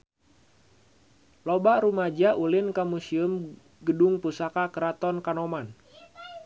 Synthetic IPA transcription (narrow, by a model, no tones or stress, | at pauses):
lobaɾumad͡ʒaʔulɪnkamusium | ɡədʊŋpusakakəɾat̪ɔnkanɔman